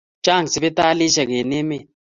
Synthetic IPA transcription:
t͡ʃa˦˨ŋ˨sɪ˨be˦t̪aː˦li˦ʃa˨ɡe˨ne˦me˦˨

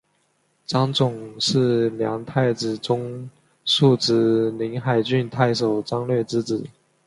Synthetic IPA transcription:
ʈ͡ʂɑ˥ŋt͡sʊ˨˩ŋʂɻ̩˥˩ljɑ˧˥ŋt̪ʰa˥˩ɪt͡sɻ̩˨˩ʈ͡ʂʊ˥ŋ | ʂu˥˧ʈ͡ʂɻ̩˥li˧˥ŋxa˨˩ɪt͡ɕy˥˧nt̪ʰa˥˩ɪʂo˨˩ʊt͡sɑ˥ŋlɥɛ˥˩t͡sɻ̩˥t͡s̩˨˩˦

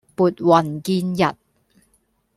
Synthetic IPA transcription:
puː˨t̚wɐ˨˩nkiː˧njɐ˨t̚

